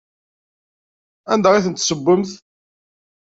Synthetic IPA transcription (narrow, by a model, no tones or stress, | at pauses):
ænd̪æʁiθənt̪ːsəbʷːəmθ